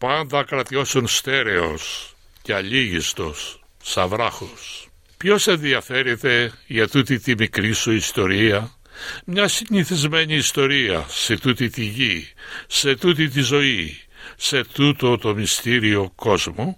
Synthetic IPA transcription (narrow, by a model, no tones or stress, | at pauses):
pɐnd̪ɐkɾɐt̪io̞sunst̪e̞ɾe̞o̞̰s | ceɐʎiʝist̪o̞sː | ɐvɾɐxos | pço̞se̞nðiɐfe̞ɾet̪e̞ʝɐt̪ut̪it̪imikɾisuist̪o̞ɾiɐ | mɲɐsiɲiθizme̞ɲiːst̪o̞ɾiɐ̰se̞t̪ut̪it̪iʝise̞t̪ut̪it̪̬izo̞i | se̞t̪ut̪ot̪o̞mist̪iɾio̞ko̞zmo